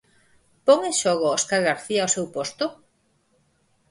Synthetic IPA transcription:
poŋeʃɔɣʊoskaɾɣaɾθiaːwsewpost̪ʊ

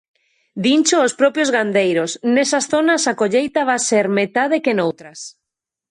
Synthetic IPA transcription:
d̪int͡ʃoospɾɔpjozɣand̪ejɾosnesasθonasakoʎejt̪aβaseɾmet̪að̞ekenowt̪ɾas

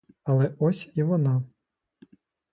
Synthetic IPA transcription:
ɐlˠɛɔsʲiʋɔnɑ

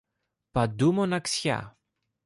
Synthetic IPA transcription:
pɐd̪umonɐksçɐ̰

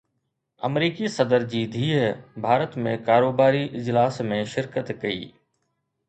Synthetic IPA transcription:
ɐ̰mɾiːkisɐd̪əɾd͡ʑiːd̪ʱiːbʱaːɾət̪mẽkaːɾoːbaːɾiʔɪd͡ʑlaːsmẽʃɪɾkət̪kɐḭː

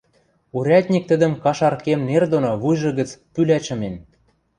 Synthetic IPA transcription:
uɾʲæt̪ʲnʲik̚t̪ə̆d̪ə̆mkɑʃɑrkemnerd̪onoβujʒɤ̆ɣə̆t͡spylæt͡ɕə̆men

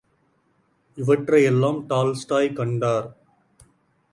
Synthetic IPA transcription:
ɪʋɐʈɾɐjɛlːãːmʈaːlsʈaːjkɐɳɖaːɾ

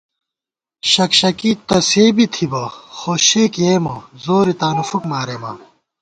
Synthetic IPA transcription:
ɕɐkɕɐkit̪ɐseːbit̪ʰibɐxoɕeːkeːmɐzoːɾit̪aːnufukmaːɾeːmɐ̰

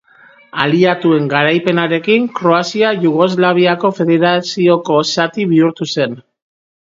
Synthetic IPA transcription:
aliat̪ue̞ŋɡaɾajpe̞naɾe̞kiŋkɾo̞asiaʝuɣo̞zlaβ̞iako̞fe̞ðe̞ɾasio̞ko̞sat̪iβiuɾt̪use̞n

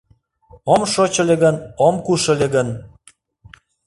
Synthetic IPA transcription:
omʃot͡ɕəlʲĕɣənomkuʃə̆lʲĕɣən

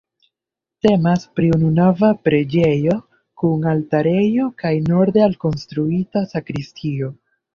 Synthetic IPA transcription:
te̞maspɾiununavapɾe̞d͡ʒe̞jo̞ | kuŋaltaɾe̞jo̞kajno̞ɾde̞alko̞nstɾuitasakɾistʰio̞

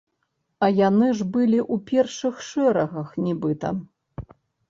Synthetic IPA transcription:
ɐjanɨʐbɨlʲiʔupʲɛrʂɨxʂɛɾɐɣɐxnʲibɨt̪ɐ̰

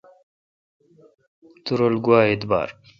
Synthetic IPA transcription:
t̪uɾolɡuwaːet̪ba̰ːɾ

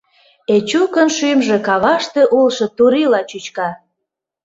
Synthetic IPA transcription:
et͡ɕukə̆nʃymʒĕkɑβɑʃt̪ĕʔulʃɤ̆t̪uɾilɑt͡ɕut͡ɕkɑ

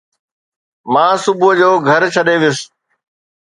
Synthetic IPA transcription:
mãːsʊbʊd͡ʑoːɡʱɐɾt͡ɕʰɐɗeʋɪjʊs

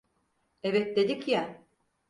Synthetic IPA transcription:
evɛt̪̚d̪e̞d̪icja

